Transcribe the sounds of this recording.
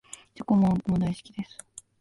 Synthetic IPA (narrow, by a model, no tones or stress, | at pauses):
d͡ʑokomokomod̪aiɕi̥kʲid̪e̞sɨ̥